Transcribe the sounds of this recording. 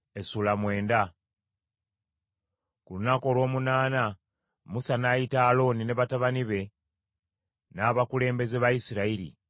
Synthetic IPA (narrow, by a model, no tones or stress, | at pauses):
e̞sulamwe̞ːnda | kulunako̞ːlwo̞ːmunaːna | musanaːjitaːlo̞ːnine̞βataβaniβe̞ | naːβakule̞ːmbe̞ze̞βajisiɾaiɾḭ